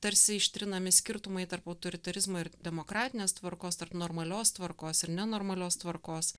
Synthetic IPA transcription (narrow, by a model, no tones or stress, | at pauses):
t̪ɐɾʲsʲɪɪʃʲt̪ʲɾʲɪnɐmʲɪsʲkʲɪɾt̪ʊmɐɪt̪ɐɾpɐʊt̪oɾʲɪt̪ɐɾʲɪzmoːɪɾd̪ʲɛmoːkɾɑːt̪ʲɪnʲeːst̪ʋɐɾkoːst̪ɐɾpnoːɾmɐlʲoːst̪ʋɐɾkoːsɪɾnʲɛnoːɾmɐlʲoːst̪ʋɐɾkoːs